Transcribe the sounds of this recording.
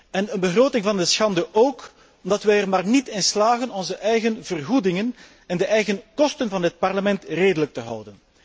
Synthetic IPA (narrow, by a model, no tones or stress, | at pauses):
ɛnənbəɣroːtɪŋvɑndəsxɑndəʔoːk | ɔmdɑtʋɛjərmaːrnitɪnslaːɣənɔnzəʔɛjɣənvərɣudɪŋən | ɛndəʔɛjɣənkɔstənvɑndət̚pɑrləmɛntreːdələk̚təɦʌ̰wdən